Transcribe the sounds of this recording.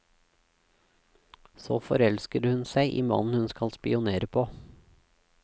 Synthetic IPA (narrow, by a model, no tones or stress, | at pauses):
soːfɔɾɛlskəɾhʉnsæɪʔiːmɑ̰nn̩hʉnskɑlspɪ̰ʊneːɾəpʰoː